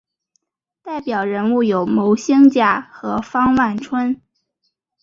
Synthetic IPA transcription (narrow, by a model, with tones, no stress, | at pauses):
t̪a˥˩ɪpjɑ˨˩ʊɻə˧˥nu˥˩jo˨˩ʊmo˧˥ʊɕi˥ŋt͡ɕja˥˩xɤ˧˥fɑ˥ŋwa˥˩nʈ͡ʂʰwə˥n